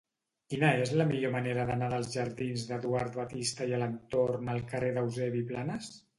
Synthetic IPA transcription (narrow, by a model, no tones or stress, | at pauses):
kinəezləmiʎoməneɾəðənaðəlˠzʒəɾðinzðəðuaɾt̪βət̪ist̪əiələnt̪ornəlˠkəreðəwzɛβiplanəs